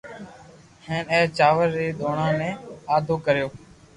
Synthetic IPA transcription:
ɦeːneːt͡ʃaːʋəɾːiːd̪oːɳãːnẽːaːd̪ʱoːkəɾjoː

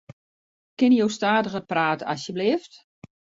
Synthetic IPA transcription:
kɪnjowstaːdəɣəpraːtəasjəblɪəft

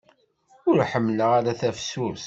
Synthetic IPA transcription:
ʊɾħəmːləʁaɾæθæfsuɾθ

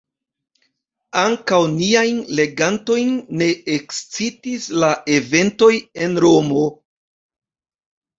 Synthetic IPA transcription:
aŋkawniajnle̞ɡanto̞jnːe̞ekst͡sitislaʔe̞ve̞nto̞je̞nɾo̞mo̞

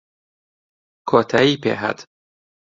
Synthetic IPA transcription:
kʰɒːt̪ʰæiːpʰḛɦæ̰d̪̥

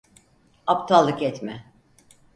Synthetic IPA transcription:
apt̪ʰalˠːɯkɛt̪mɛ

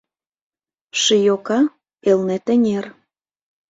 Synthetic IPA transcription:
ʃəjokɑ | elnet̪ə̆nʲer

